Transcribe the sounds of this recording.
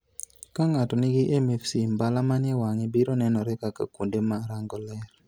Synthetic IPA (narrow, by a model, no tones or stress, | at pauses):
kaŋatɔnɪɡɪʔɛmɛfsimbalamanɛwaŋibiɾonɛnɔɾɛkaka̰kundemaɾaŋɡɔlɛr